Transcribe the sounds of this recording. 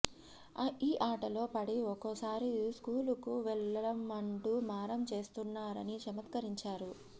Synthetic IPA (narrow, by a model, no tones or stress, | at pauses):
iːʔaːʈɐlo̞ːpɐɽiɔkosaːɾiskuːlukuʋɛɭːɐɐmɐɳʈumaːɾɐmt͡ʃe̞ːst̪unːaːɾɐnit͡ʃɐmɐt̪kɐɾiɲt͡ʃaːɾu